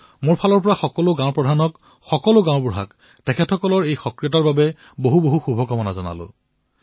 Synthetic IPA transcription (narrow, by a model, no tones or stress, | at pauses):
moɹpʰalɔɹpɔɹaxɔkɔlʊɡãʊ̃pɹɔdʱanɔk | xɔkɔloɡãwʊ̃buɹɦak | tɛkʰɛtxɔkɔlɔɹejxɔkɹijɔtaɹbabɛ | boɦuboɦuxubʱɔkɔmɔnazɔna̰lʊ̰